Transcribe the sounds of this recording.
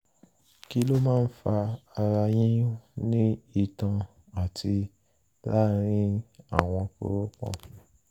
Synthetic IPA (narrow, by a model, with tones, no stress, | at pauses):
ki˦lo˦mãː˦˨n̩˦fa˧a˧ɾa˧jĩ˦nĩ˦i˦˨tã˨ | a˨ti˧ | la˦ɾ̃ĩ˦a̰˦˨w̃ɔ̃˧ko̰˦ɾo˦kɔ̰̃˦˨